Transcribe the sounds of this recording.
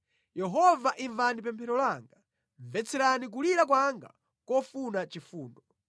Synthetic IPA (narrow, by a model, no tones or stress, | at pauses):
jɛɦɔvaʔiɱvanip̬ɛmpʰɛɾɔlaːŋɡa | ɱvɛt͡sʰɛɾanik̬uliɾak̬waŋɡa̰ | kɔfunat͡ʃifuːndɔ